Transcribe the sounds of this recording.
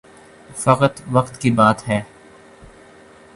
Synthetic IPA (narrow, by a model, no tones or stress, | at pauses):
fɐqət̪ʋɐqt̪kibaːt̪ɦɛː